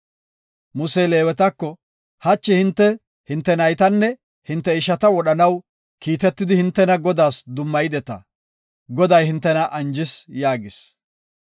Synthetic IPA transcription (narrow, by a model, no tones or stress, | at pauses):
mʊseːle̞ːwɛt̪ɐkːɔ | hɐt͡ʃːɪhɪnt̪ːɛ | hɪnt̪ːɛnɐjt̪ɐnːɛ | hɪnt̪ːɛɪʃɐt̪ɐwɔɗɐnɐw | kiːt̪ɛt̪ːɪd̪ɪhɪnt̪ːɛnɐɡɔd̪aːsd̪ʊmːɐjɪd̪ɛt̪ɐ̰ | ɡɔd̪ɐjhɪnt̪ːɛnɐʔɐnd͡ʒɪsjaːɡɪs